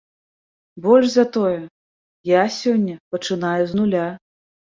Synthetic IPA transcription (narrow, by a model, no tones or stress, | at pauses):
bɔlʲʐzat̪ɔjɛ | jasʲɔnʲːɐpɐt͡ʂɨnajɛznulʲa